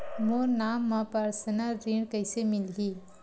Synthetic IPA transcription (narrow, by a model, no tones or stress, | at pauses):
moːnaːmːãpaɾsənəɾiɳkɐɪsemɪlɡiː